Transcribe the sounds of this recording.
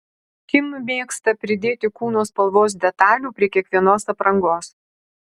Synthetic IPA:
kʲɪmmʲeːkst̪ɐpʲɾʲɪd̪ʲeːt̪ʲɪkuːnoːspɐlˠʋoːs̬d̪ʲɛt̪ɑːlʲuːpʲɾʲiɛkʲiɛkʋʲiɛnoːsɐpɾɐŋɡoːs

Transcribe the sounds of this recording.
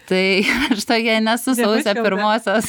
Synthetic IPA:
t̪ɐɪʃt̪oːkʲiɛnʲɛsʊsɐʊsʲɛpʲɪɾmoːsʲoːs

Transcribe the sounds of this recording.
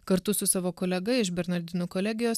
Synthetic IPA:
kɐɾt̪ʊsʊsɑːʋoːkoːlʲɛɡɐɪʃbʲɛɾnɐɾʲd̪ʲɪnuːkoːlʲɛæɡʲɪjoːs

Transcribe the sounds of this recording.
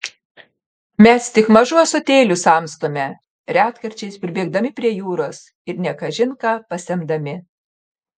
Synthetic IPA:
mʲɛst̪ʲɪkmɐʒuːsot̪ʲeːlʲʊsɑˑmst̪oːmʲɛ | ɾʲæːt̪kɐɾʲt͡ʃʲɛɪspʲɾʲɪbʲeːɡ̚d̪ɐmʲɪpʲɾʲiɛjuːɾoːs | ɪɾnʲɛkɐʒʲɪŋkɑpɐsʲɛmd̪ɐmʲɪ

